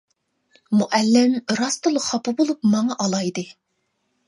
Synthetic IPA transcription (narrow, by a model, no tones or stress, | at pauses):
muʔɛlːɪmɾɑst̪ɨlˠəχɑpɨbolˠup̚mɑŋɑʔɑlˠɑjd̪ɨ